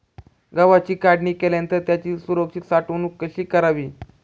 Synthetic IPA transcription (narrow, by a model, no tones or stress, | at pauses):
ɡəʋat͡ɕiːkaɽɳiːkeljãnt̪əɾt̪jat͡ɕiːsuɾok̚t͡ɕiːt̪saʈonuːkːəɕiːkəɾaʋiː